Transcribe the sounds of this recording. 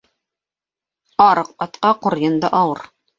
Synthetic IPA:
ɑɾɤq̚ɑt̪qɑqŏɾjɤ̆nd̪ɤʔɑwɤɾ

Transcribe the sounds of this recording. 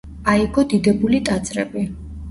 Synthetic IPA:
aiɡɔd̪id̪ɛbulit̪ʼat̪sʼɾɛ̰bi

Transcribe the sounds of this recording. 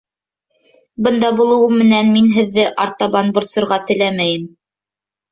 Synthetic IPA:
bɤnd̪ɑbulˠɤ̆wɤmmːɘ̆nænminɦɘ̆ðːɘʔɑɾt̪ɑβɑnbŏɾt̪sŏɾʁɑt̪ɘ̆læmæjɘm

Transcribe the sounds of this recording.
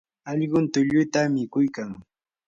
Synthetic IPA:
ɑʎɢʊnt̪ʊʎʊjt̪amɪkʊjkaŋ

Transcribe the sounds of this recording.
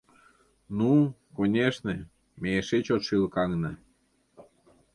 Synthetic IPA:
nukonʲeʃnḛ̆ | mʲeeʃet͡ɕot̪ʃilkɑŋnɤ̆

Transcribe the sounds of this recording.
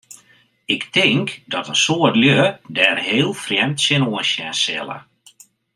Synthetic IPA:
ɪktɪŋkdɔtənsoətljødɛːrɦeːlˠfrjɛmtsɪnoənsjɛnsɛ̰lˠə̰

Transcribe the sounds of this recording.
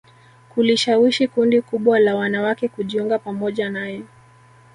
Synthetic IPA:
kuliʃawiʃikundikuɓwalawanawakɛkuʄiuŋɡapamɔʄanajɔ

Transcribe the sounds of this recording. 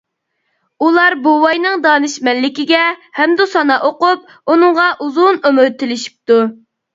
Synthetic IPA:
ulˠɑɾbuwɑjnɨŋd̪ɑːnɨʃmɛnlɪkʲiɡʲɛhɛmd̪usɑnɑʔoqup̚ | unɨŋʁɑʔuzunømyɾt̪ʰːɪlɪʃi̥p̚t̪u

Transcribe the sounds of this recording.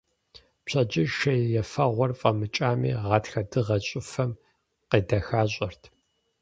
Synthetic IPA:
pɕʰɐd͡ʒɪʃɐjjɛfɐʁʷɔrfʼɐmɨt͡ʃʼaːmḭːʁɑːtxɐdɨʁɐɕʼɪfɐm | qeːdɐxaːɕʷʼɐrtʰ

